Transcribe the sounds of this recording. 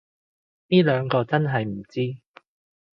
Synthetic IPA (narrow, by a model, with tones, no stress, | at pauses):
niː˥lœː˨˧ŋkɔː˧t͡sɐ˥nɦɐ˨jm̩˨˩t͡siː˥